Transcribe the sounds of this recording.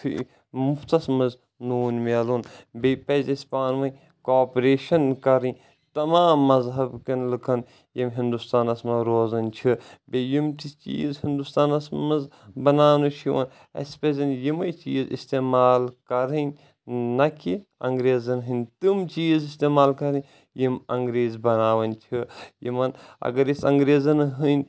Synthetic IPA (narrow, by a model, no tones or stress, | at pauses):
t̪ʰḭ | muft̪ɐsmɐz | nuːnmɐlunbepɐzɐsʲpaːnʋɐnʲ | koːpɾeːʃɐnkɐɾɨn | t̪ɐmaːmːɐzɦɐbkɐnlɨkʰɐn | jimɦind̪ust̪aːnɐsmɐɾoːzɐnʲt͡ʃʰibejimt̪it͡ʃḭːzhind̪ust̪aːnɐsmɐzbɐnaːnut͡ʃʰiʋɐ̰n | ɐ̰spezɐnjimɐjt͡ʃḭːzḭst̪eːmaːlkɐɾɨnʲ | nɐkiɐŋɡɾeːzɐnɦɨnʲt̪ɨmt͡ʃiːzist̪eːmaːlkɐɾɨ | jimɐŋɡɾeːzbɐnaːʋɐnʲt͡ʃʰijḭmɐnɐ̰ɡɐɾisɐŋɡɾeːzɐnɦɨnʲ